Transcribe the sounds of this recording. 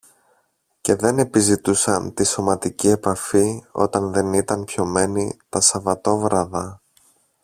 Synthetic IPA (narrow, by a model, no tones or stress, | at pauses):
ce̞ðe̞ne̞pizit̪usɐnt̪iso̞mɐt̪icie̞pɐfio̞̰t̪ɐnðe̞nit̪ɐnpço̞me̞nit̪ɐsɐvɐt̪o̞vɾɐðɐ